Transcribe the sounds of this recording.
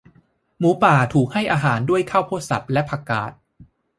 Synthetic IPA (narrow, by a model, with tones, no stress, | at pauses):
muː˩˦paː˨˩t̪ʰuː˨˩k̚ha˥˩jʔaː˧ɦaː˩˦ndu˥˩əjkʰaː˥˩wpʰuː˥˩sa̰˨˩p̚lɛ˦˥pʰa˧ka̰ː˨˩t̪̚